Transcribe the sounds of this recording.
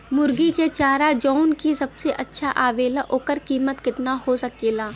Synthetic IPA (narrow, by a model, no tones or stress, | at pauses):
mʊɾɡiket͡ʃaːɾad͡ʒɔːnkisɐbseʔɐtːʃʰaʔaːʋeːlaʔoːkəɾkiːmət̪kɪt̪nahosɐkeːlaː